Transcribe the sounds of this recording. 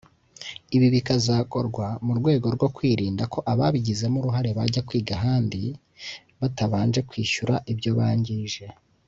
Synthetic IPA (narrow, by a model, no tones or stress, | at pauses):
iβiβikazaːko̞ɾɡwamuɾɡwe̞ːɡo̞ɾɡo̞kwiːɾiːndako̞ʔaβaβiɟizemuɾuɦaɾe̞βaɟakwiːɡaɦaːndi | βataβaːnʒe̞kwiːʃuɾaʔibjo̞βaːɲɟiʒe̞